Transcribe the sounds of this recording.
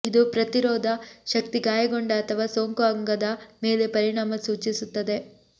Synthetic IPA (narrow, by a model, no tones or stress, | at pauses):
id̪upɾɐt̪iɾɔːd̪ʱɐʃɐk̚t̪iɡaːjɐɡoɳɖɐːt̪ʰɐʋaːsoːŋkuɐŋɡɐd̪ɐme̞ːle̞pɐɾiɳaːmɐsuːt͡ʃisut̪ːɐd̪e̞